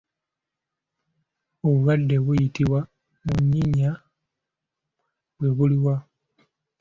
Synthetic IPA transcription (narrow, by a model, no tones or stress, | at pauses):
oβuβadːe̞βujitiwa | muɲːiɲa | βwe̞βuliwa